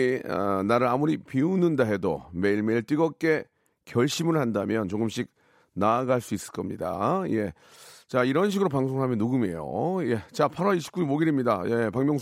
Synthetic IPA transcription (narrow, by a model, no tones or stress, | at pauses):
ʌ̰naɾɯɾamuɾipiunɯndaɦe̞do̰me̞iɭme̞iɭt͈iɡʌk͈e̞ | kjʌɭɕ͈imɯɭhandamjʌnt͡ɕoɡɯmɕʰik̚ | naːɡaɭs͈uis͈ɯ̥ɭk͈ʌmɲida̰je̞ | t͡ɕaiɾʌnɕ̬ʰiɡɯɾopaŋs̬ʰoŋɯɭɦamjʌnːuɡɯme̞̰jo̰je̞t͡ɕapʰaɾwʌiɕʰi̥p̚k͈uimoɡiɾimɲida̰je̞paŋmjʌŋ